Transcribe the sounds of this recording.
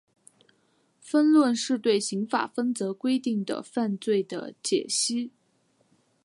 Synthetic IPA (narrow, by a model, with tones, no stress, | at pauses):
fə˥nlwə˥˧nʂɻ̩˥˧t̪we˥˩ɪɕi˧˥ŋfa̰˨˩fə˥nt͡sɤ˧˥kwe˥ɪt̪i˥˩ŋd̪ə̰˩fa˥˧nt͡swe˥˩ɪd̪ə̰˩t͡ɕjɛ̰˨˩ɕi˥